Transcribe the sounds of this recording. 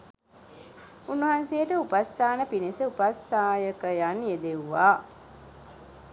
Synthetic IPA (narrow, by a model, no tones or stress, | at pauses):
unːuɦansejəʈəupast̪ʰaːnəpinesəupast̪aːjəkəjanjed̪eʋuʋaː